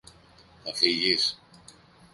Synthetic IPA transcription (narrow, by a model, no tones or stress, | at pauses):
θɐfiʝis